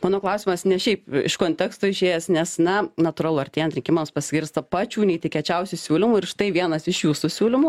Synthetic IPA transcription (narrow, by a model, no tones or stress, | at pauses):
mɑːnoːklˠɐʊsʲɪmɐsnʲɛʃʲɛɪpɪ̰ʃkoːnʲt̪ʲɛkst̪oːɪʃʲeːjɛsnʲɛsnɐnɐt̪ʊrɑlˠʊɐrʲt̪ʲeːjɛnt̪ɾʲɪŋʲkʲɪmɐmspɐsʲɡʲɪɾst̪ɐpɑːt͡ʃʲuːnʲɛɪt̪ʲɪkʲɛt͡ʃʲɛʊsʲʊsʲuːlʲɪmuːɪɾʃt̪ɐɪʋʲiɛnɐsɪʃjuːsusʲuːlʲɪmuː